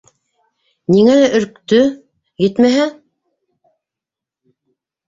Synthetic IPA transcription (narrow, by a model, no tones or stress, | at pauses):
niŋælæʔɵ̆ɾk̚t̪ɵ | jɘt̪mæɦæ